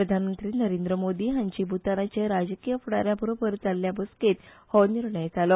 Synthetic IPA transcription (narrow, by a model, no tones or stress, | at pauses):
pɾəd̪ʱanmənt̪ɾiːnəɾend̪ɾəmod̪iːɦaɲt͡ɕiːbʱut̪aɾat͡ɕeɾad͡ʑəkijəfuɽaɾjabəɾobəɾd͡zalːjabəsket̪hɔniɾɳəjd͡zalɔ